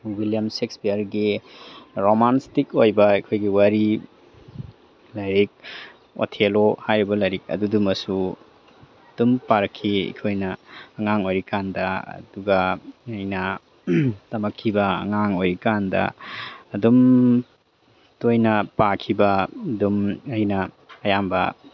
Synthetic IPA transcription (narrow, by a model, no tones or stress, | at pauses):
wiljɐmsekspijɐɾɡi | ɾomanstikojbɐɐkʰojɡiwaɾi | lɐjɾik̚ | o̰tʰelohajɾibɐlɐjɾik̚ɐ̰dudumɐsu | dumpaɾkʰːiḭkʰojnɐːŋaŋojɾikandɐɐ̰duɡɐɐjnɐ | tɐmɐkʰːibɐɐ̰ŋaŋojɾikandɐ̰ː | dum | tojnɐpakʰibɐdumɐjnɐː | jambɐ̰